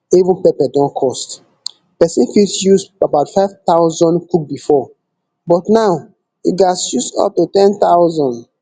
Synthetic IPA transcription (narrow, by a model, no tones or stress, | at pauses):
ivũnpepɛdɔ̃nkʰɔst | pɛsĩnfisjusabaʊtfaɪv̥t̪aʊzɔ̃nkuk̚bifɔ | bɔtnaʊ | iɡasusɔ̰p̚tutɛ̃nt̪awzɔ̃n